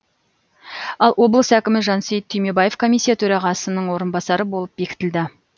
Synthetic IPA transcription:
ɑlˠwo̞blˠəsækʲɪmɪʒɑnsejt̪ʰːʏjme̞baje̞vkʰo̞mijsʲːijat̪ʰɵɾɑʁɑsənəɴwo̞ɾənbɑsɑɾəbo̞lˠəp̚be̞kʲɪ̥t̪ɪld̪ɪ

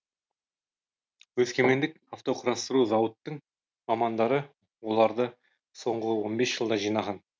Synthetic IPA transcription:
wɵzkʲeme̞nd̪ɪk | aft̪o̞qʰəɾɑst̪əɾuzɑwət̪ːəɴ | mɑmɑnd̪ɑɾə | wo̞lˠɑɾd̪ə | so̞ɴʁəwo̞nbe̞sʒ̥əlˠd̪ɑʒijnɑʁɑn

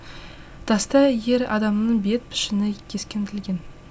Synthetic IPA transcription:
d̪̥ɑst̪ɑje̞ɾɑ̰d̪ɑmnəɴbe̞t̪̚pʰɪ̥ʃɪnɪkʲʰeskʲent̪ʰɪlɡʲen

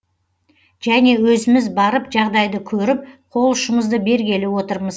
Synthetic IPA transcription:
ʒ̥æne̞wɵzɪmɪzbɑɾəpʒɑʁd̪ɑjd̪əkʲʰɵɾɪp̚qʰo̞lˠʊʃəɴəzd̪əbe̞ɾɡʲe̞lɪwo̞t̪əɾməz

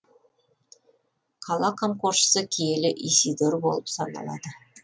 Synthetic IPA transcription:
qʰɑlˠɑkʰomkurʃsəkʲʰijelɪʔisʲid̪orbo̞̰lˠəpsɑnɑ̰lˠɑ̰d̪ə

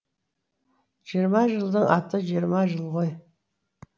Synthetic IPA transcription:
ʒ̥ijəɾmɑʒəlˠd̪əɴɑt̪əʒijəɾmɑʒəlˠʁoj

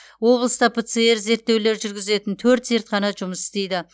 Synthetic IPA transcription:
wo̞blˠəst̪ɑpʰet̪sɨe̞ɾze̞ɾt̪ːe̞wle̞ɾʒʏɾɡʲɪze̞t̪ɪnt̪ʰɵɾt̪ze̞ɾt̪qʰɑnɑʒʊməsɪ̥st̪e̞jd̪ɪ

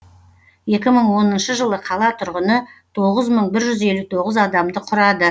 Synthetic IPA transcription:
je̞kʲɪməɴwo̞nənʃəʒəlˠəqʰɑlˠɑt̪ʰʊɾʁənət̪ʰo̞ʁəzməɴbɪɾʒʏze̞lut̪ʰo̞ʁəzɑd̪ɑmd̪əqʰʊɾɑd̪ə

